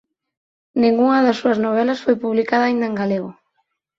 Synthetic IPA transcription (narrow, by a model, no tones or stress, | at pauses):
nĩŋɡuŋɐðasːuɐznoβ̞ɛlɐsfojpuβlikaðaːĩnd̪ɐeŋɡaleɣʊ